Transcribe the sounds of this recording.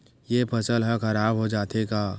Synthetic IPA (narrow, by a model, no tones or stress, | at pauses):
jepʰɐsəlɦɛ̃kɐɾaːbɦod͡ʒaːt̪eɡaː